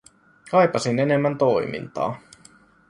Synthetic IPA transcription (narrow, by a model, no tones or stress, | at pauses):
kɑjpɑsine̞ne̞mːænt̪o̞jmḭnt̪ɑ̰ː